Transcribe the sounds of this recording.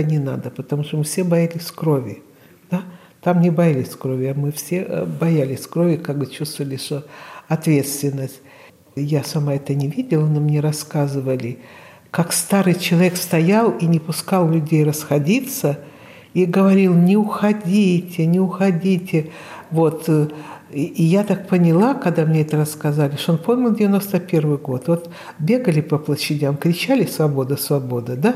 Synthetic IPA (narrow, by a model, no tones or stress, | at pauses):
nʲɪna̰d̪əpət̪ɐmuʂt̪omɨfsʲebɐjalʲɪsʲkɾo̞vʲɪ | d̪̥a | t̪amnʲɪbɐjalʲɪsʲkɾo̞vʲɪɐmɨfsʲe̞bɐjælʲɪsʲkɾo̞vʲɪkaɡ̚bɨt͡ɕust̪vəvəlʲɪʂt̪oɐt̪vʲe̞t̪st̪vʲɪnːəsʲtʲ | jasɐmaɛt̪ənʲɪvʲidʲɪlˠənomnʲeɾɐskazɨvəlʲɪ | kakst̪aɾɨjt͡ɕɪlˠɐvʲekst̪ɐjalˠinʲɪpʊskalˠlʲʊdʲejrəsxɐdʲit̪sə | iɡəvɐɾʲilˠnʲɪʊxɐdʲitʲɪnʲɪʊxɐdʲitʲɪ | vo̞t̪ | jat̪ak̚pənʲɪlˠakɐɡd̪amnʲeɛt̪əɾəskɐzalʲɪʂt̪oonpomʲɪlˠdʲɪvʲɪno̞st̪əpʲe̞rvɨjɡo̞t̪vo̞t̪ | bʲe̞ɡəlʲɪpəplˠəɕːɪdʲamkɾʲɪt͡ɕælʲɪsvɐbo̞d̪əsvɐbo̞d̪ɨd̪a